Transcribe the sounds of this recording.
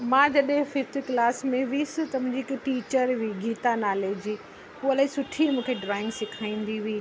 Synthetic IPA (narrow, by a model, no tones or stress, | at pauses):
mãːd͡ʑɐɗɦɪ̃fɪft̪iklaːsmẽʋisɪ̃t̪ɐmʊ̃d͡ʑikʈiːt͡ɕəɾʋiɡʱiːt̪anaːleːd͡ʑi | ɦuːɐlaːĩsʊʈʰimũːkʰeɖɾaːɪ̃ŋɡsɪkʰaːĩːnd̪iʋiː